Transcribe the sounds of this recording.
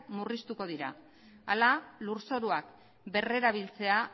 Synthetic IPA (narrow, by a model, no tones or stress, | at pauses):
murist̪uko̞ðiɾa̰ | a̰laluɾso̞ɾuak | be̞re̞ɾaβ̞ilt͡se̞a